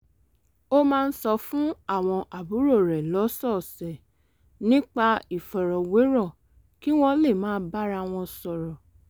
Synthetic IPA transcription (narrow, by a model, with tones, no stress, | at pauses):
o˦mãː˦˧n̩˦sɔ˧fũ˦a˦˨w̃ɔ̃˧ʔa˨bu˨˦ɾo˦˨ɾɛ˨lɔ˨˦sɔ˦˨sɛ˨ | nĩ˦k͡pa˧i˦˨fɔ˨ɾɔ˨we˨˦ɾɔ˦˨ | ki˦w̃ɔ̃˧le˦˨mãː˦ba˦ɾa˧w̃ɔ̃˧sɔ˨ɾɔ˨